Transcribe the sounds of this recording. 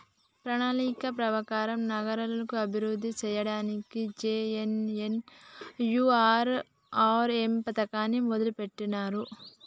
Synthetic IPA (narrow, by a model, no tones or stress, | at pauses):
pɾɐɳaːnikɐpɾɐʋɐkaːɾɐmnɐɡɐɾɐlɐnɐkuɐbʱiɾud̪ʱːit͡ʃɛːjɐɽaːnikid͡ʒeːenen | juːaːɾ | aːɾempɐt̪ɐkaːnimɔd̪ɐlupeʈːinaːɾu